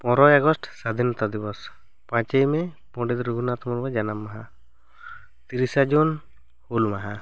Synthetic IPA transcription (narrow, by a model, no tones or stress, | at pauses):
pɔ̃ɾɔjaɡɔsʈsad̪ʱinɔt̪ad̪ibɔs | pãt͡ʃejmɛ | pɔ̃ɖit̪ɾuɡʱunat̪ɔmɔɾbad͡ʒanamːaɦa | t̪iɾisad͡ʒun | hulmaɦa